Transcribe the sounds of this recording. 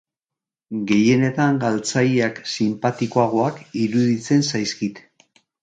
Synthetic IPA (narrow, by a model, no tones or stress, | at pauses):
ɡe̞je̞ne̞t̪aŋɡalt͡sajiaksimpat̪ikoaɣ̞o̞akiɾuðit͡se̞nsajskit̪